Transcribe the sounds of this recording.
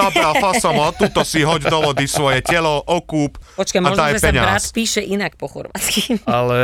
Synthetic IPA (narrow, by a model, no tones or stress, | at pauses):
abɾafasɔmɔt̪ut̪ɔsiɦɔɟd̪ɔʋɔd̪isʋɔjɛcɛlɔʔɔkuːppɔt͡ʃkamaɔʒd̪ajpɛɲaɾaːst̪piːʃɛʔinak̚pɔxɔ̰ɾʋa̰ːt͡sskialɛ